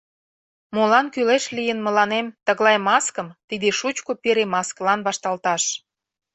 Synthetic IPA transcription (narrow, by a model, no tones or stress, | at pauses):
molɑnkyleʃlijənmə̆lɑnemt̪ə̆ɣlɑjmɑskə̆mt̪id̪eʃut͡ɕkopeɾemɑsklɑnβɑʃt̪ɑlt̪ɑʃ